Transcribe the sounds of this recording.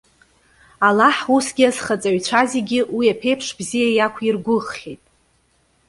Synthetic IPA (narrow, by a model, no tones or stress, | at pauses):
alaħusɡʲiaz̥χat͡sʼaɥt͡ɕʷʰaziɡʲɪwiapʰe̞jpʰʂbzijajakʷʰirɡʷʊχːʲetʼ